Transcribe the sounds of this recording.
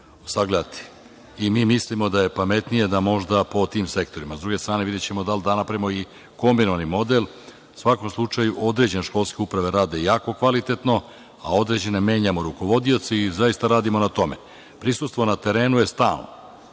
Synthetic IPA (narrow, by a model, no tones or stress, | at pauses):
osaɡle̞d̪at̪i̥ | imiːmislimo̞d̪aje̞pame̞t̪nije̞d̪amo̞ʒd̪apo̞t̪iːmse̞kt̪o̞ɾimazd̪ɾuɡe̞st̪ɾaːne̞ʋid̪jet͡ɕe̞mo̞d̪ald̪anapɾaimo̞i | ko̞mbino̞ʋanimo̞d̪e̞lˠ | sʋako̞mslˠut͡ʃajuʔo̞d̪ɾe̞d͡ʑeneʃko̞lˠskʲe̞upɾaʋe̞ɾaːd̪e̞jaːko̞kʋalit̪e̞t̪no̞ | a̰o̞d̪ɾe̞d͡ʑe̞ne̞me̞ːɲamo̞ɾuko̞ʋo̞d̪io̞t̪siizaist̪aɾaːd̪imonat̪o̞me̞̰ | pɾisust̪ʋo̞nat̪e̞ɾe̞ːnuje̞st̪a̰ːlˠno